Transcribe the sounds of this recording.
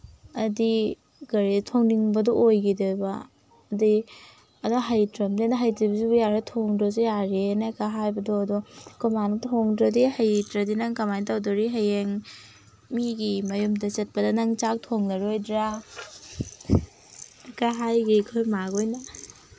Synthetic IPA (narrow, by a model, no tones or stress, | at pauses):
ɐdi | ɡɐɾetʰoŋniŋbɐdɔojɡidebaː | di | ɐdoɦajtɾɐmdenɐɦajtibzubujaɾetʰoŋdɾosujaɾenakaɦajbɐdɔɐdɔkomantʰoŋdɾadihajtɾɐdinɐŋkamajntawdoɾiɦajeŋ | miɡimɐjumdɐt͡ʃɐt̚pɐdɐnɐŋt͡ʃak̚tʰoŋnɐɾojdɾa | kaɦajɡikʰojmaɡojnɐ